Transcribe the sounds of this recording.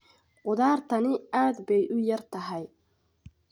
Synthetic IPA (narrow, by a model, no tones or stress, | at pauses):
qʊd̪aːɾt̪ʰɐnɪaːd̪bɛjʔʊjɐrt̪ʰɐɦɛj